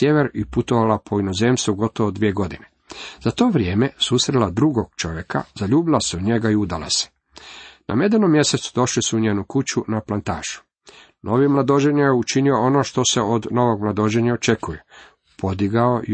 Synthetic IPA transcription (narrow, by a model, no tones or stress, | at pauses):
jeʋeɾiput̪o̞ʋalapʰoino̞zeːmst̪ʋuɡo̞t̪o̞ʋod̪ʋije̞ɡo̞d̪ine | zat̪o̞ːʋɾje̞ːmesusɾelad̪ɾuɡo̞ɡ̥̚t͡ʃo̞ʋjekʰa̰zaʎuːbilaseod̪ɲe̞ɡaiud̪ala̰se̥ | na̰me̞d̪eno̞mːjeset̪su̥d̪o̞ʃlisuuɲeːnukut͡ɕunaplˠant̪a̰ːʃu̥ | nʔo̞ʋimlˠad̪od͡ʒeɲajeut͡ʃinio̞onoʃt̪o̞se̞od̪no̞ʋo̞ɡmlˠad̪o̞d͡ʒeɲaot͡ʃe̞kuje | pʰo̞d̪iɡao